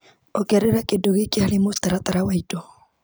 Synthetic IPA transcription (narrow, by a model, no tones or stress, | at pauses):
ɔɡɛɾɪɾakʼɪdoɡikʼɪalɪmʊst̪aɾat̪ʼaɾawaidɔ